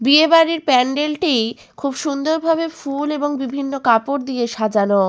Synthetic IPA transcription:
biebaɾiɾpɛɳɖelʈij | kʰubʃund̪oɾbʱabefuleboŋbibʱinːokapoɾd̪ieʃad͡ʑano

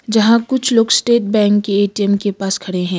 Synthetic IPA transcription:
d͡ʒɐɦãkʊt͡ʃʰloːɡsʈeːʈ̚bɛ̃ːŋkːeeːʈiɛmkepaːskʰɐɽeɦɛ̃ː

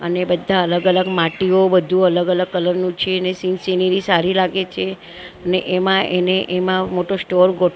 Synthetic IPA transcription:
ə̰nebəd̪ʱːaələɡələɡmaʈiobəd̪ʱũələɡələɡ̚kːələɾnũt͡ʃʰenesinseniɾisaɾilaɡet͡ʃʰe | əneʔemãʔeneʔemãmoʈosʈoɾɡo

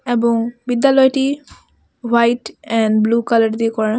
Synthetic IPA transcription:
ebɔŋbid̪jalɔjʈi | wajʈɛ̃nblukaləɖd̪iekɔɹã

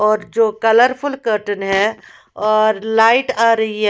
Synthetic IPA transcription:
ɔːɾd͡ʒoːkɐləɾpʰʊlkəɾʈənɦɛ | ɔːɾlaːɪʈaːɾɐɦiɦɛ

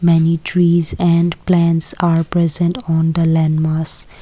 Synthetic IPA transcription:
mɛniʈʰɾiːzɛ̃ɳɖplæ̃nʈsaːɾpɾɛzə̃ɳʈɔ̃ːnd̪əlɛ̃nmaːs

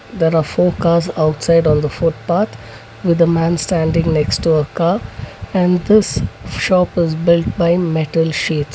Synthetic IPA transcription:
d̪eːɾaːɾfoːkaːzaʊʈsaɪɖɔ̃ːnd̪əfʊʈ̚paːɾt̪ʰ | ʋɪd̪əmæ̃nsʈæ̃ːɳɖɪ̃ŋɡneksʈːuəkaːæ̃ɳɖd̪ɪsʃɔːpɪzbɪlʈbaɪmɛʈəlʃiːʈs

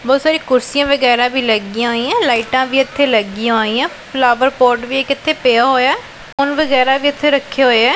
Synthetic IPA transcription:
bɔːt̪saːɾiːkʊɾsijãːʋəɡɛːɾãːbiːləɡiːãːoːĩːãːlaːɪʈãːbiːət̪ʰːeːləɡĩoːĩːãːpʰlaːʋəɾpoːɾʈʋiːeːkɪt̪ʰːeːpejaːɦoːjaː | ʊnʋəɡɛːɾaːbiːɪt̪ʰːeːɾəkʰːeːɦoːɛː

